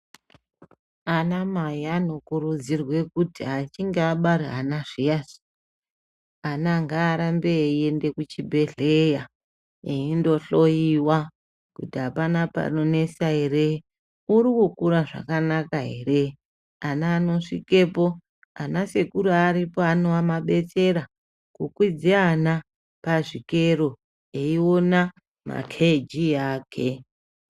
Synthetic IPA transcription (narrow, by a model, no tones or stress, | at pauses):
anamajiano̞kuɾud͡zirwe̞kutiat͡ʃiŋɡeaɓaɾeɦanaʐiasi̥ | anaŋɡaːɾambeie̞nde̞kut͡ʃibʱe̞ɮeja | eindo̞ɬo̞jiwa | kutiapanapa̰none̞saɦe̞ɾe | uɾikukuɾaʐa̰kanakaɦe̞re̞ | anaːno̞ʂike̞po̞ | anase̞kuɾuaɾipoano̞amaɓe̞t͡se̞ɾa | kukwid͡ziana | paʐikeɾo | eiona | ma̰kʰed͡ʒijaːkʰe